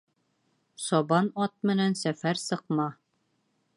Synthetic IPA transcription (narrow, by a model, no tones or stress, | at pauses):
sɒbɑnɒt̪̚mɘ̆nænsæfæɾsɤ̆qmɑ